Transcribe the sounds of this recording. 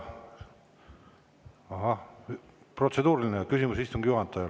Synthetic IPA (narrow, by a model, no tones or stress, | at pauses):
ɑɦɑ | pro̞t̪se̞d̪uːɾilinekysimusist̪uŋɡ̥juɦɑnt̪ːˑɑjɑ